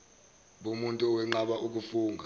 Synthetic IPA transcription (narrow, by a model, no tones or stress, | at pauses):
ɓumuntʼuɔwɛŋ͡ǃaɓaʔuk̬ufuːŋɡʱa